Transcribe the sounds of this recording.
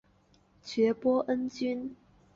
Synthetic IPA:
t͡ɕɥɛ˨˥pwɔ˥ʔə˦˥nt͡ɕy˥n

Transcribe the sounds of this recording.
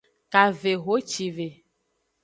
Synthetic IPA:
ka˨ve˨ɣo˦t͡ʃi˨ve˨

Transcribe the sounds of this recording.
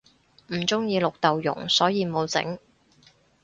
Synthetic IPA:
m̩˨˩t͡sʊ˥ŋjiː˧lʊ˨k̚t̪ɐ˨wjʊ̰˨˩ŋsɔː˨˥jiː˧mo˨˧wt͡sɪ̰˨˥ŋ

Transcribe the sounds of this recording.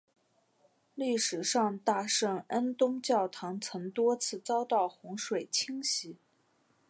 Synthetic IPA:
li˥˩ʂɻ̩˨˩ʂɑ˥˧ŋt̪a˥˧ʂɤ˥˩ŋə˥nt̪ʊ˥ŋt͡ɕjɑ˥˩ʊt̪ʰɑ˧˥ŋt͡sʰɤ˧˥ŋt̪wɔ˥t͡sʰɹ̩˥˩t͡sɑ˥ʊt̪ɑ˥˩ʊxʊ˧˥ŋʂwe˨˩ɪt͡ɕʰi˥ŋɕi˧˥

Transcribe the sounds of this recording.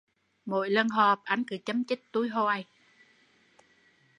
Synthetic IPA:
mo̰˧˨jlə˧nɦɔː˨˩p̚ʔa˧jŋ̟kɨ˨˧˩t͡ɕə˨˦mt͡ɕi˦˥k̚t̪u˧˦jɦo˧ʔa˧˩j

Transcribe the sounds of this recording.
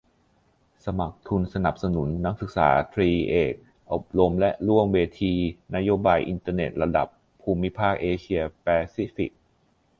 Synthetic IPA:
sa˧ma˨˩k̚t̪ʰu˧nsa˧na˨˩p̚sa˧nu˨˩˦nːa˦˥k̚sɯ˨˩k̚sa̰ː˩˦t̪ʰɾiː˧ʔeː˨˩k̚ | ʔo˨˩p̚ɾo˧mlɛ˦˥ʔɾu˥˩əŋweː˧t̪ʰiː˧na˦˥joː˧baː˧jʔi˧nt̪ɤː˧ne˨˩t̪̚ɾa˧da̰˨˩pʰːuː˧mi˦˥pʰaː˥˩k̚ʔeː˧t͡ɕʰi˧ɐpɛː˧si˦˥fi˨˩k̚

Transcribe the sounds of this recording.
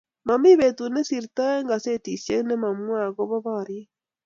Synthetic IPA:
ma˨mi˦βetu˨ne˦si˨ɾita˦ɛ˦ŋɡa˨se˦ti˨se˦ne˦ma˨mwa˦˨ɣɔβɔ˦βa˨ɾie˦

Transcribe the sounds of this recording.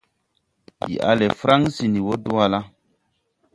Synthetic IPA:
jḭ˨ʔa̰˨le˨fɾa˦ŋsi˨ni˨wo˦du˦a˦la˦

